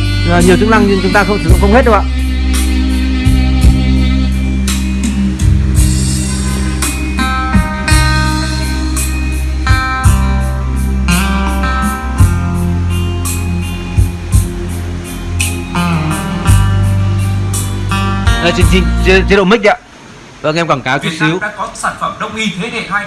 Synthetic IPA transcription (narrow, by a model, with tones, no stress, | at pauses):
a˨˩ɲi˨˩əw̪t͡ɕɨ˦˥na˧ŋɲi˧˨nt͡ɕʊ˨˦ŋ͡mt̪aː˧xə˧wŋ͡mt̪ʰi˨˩nɔ̰˨˧˥kə˧wŋ͡mhe˦˥t̚ɗə˧wʔa̰ː˧˨ | ʔəː˧˩t͡ɕɨ̈˧ŋt͡ɕï˨˩ŋt͡ɕt͡ɕɗo̰˧˨mï˦˥k̚ɗa̰ː˧˨ | və̰˧˨ŋʔɛ˧ŋ͡mkɔ˧˩kaː˨˦wt͡ɕʊ˦˧˦si˨˦ə˦wa̰˧˥kɔ˨˦saː˧˩nfə˧˩mɗə˧wŋ͡mʔi˧t̪ʰe˨˦ɗe˧˩aː˧j